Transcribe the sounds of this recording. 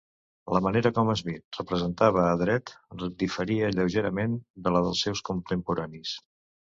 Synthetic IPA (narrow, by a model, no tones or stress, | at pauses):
ləməneɾəkɔməzβit̪̚rəpɾəzənt̪aβ̞əːðɾɛt̪d̪ifəɾiəʎəwʒeɾəmend̪ələðəlˠsːɛwskunt̪əmpuɾanis